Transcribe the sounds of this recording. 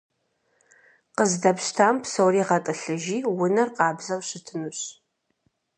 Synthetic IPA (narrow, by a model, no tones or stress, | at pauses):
qəzdɐpɕtʰaːmpsowɾiːʁɐtʼɨɬɨʒiːwʊnɐrqɑːbzɐwɕɨtʰɨnɨɕ